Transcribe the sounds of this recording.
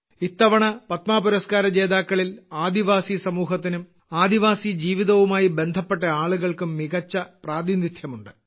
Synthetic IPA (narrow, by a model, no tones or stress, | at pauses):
it̪ːɐʋɐɳɐpɐt̪maːpuɾɐskaːɾɐd͡ʑe̞ːðaːkːɐɭilaːd̪iʋaːsisɐmuːɦɐt̪̬ːinum | aːd̪iʋaːsid͡ʑiːʋiðɐʋumaːjibe̞nd̪ʱɐpːe̞ʈːɐaːɭuɣɐɭkumːiɣɐt͡ɕːɐpraːd̪init̪ʰjɐmuɳɖɨ